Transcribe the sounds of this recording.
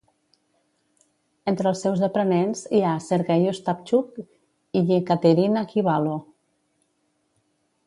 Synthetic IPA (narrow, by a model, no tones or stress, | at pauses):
ent̪ɾəlˠsːɛwzðəpɾənenziasəɾɣɛjost̪ap̚t͡ʃuk | iʎekat̪eɾinakiβalo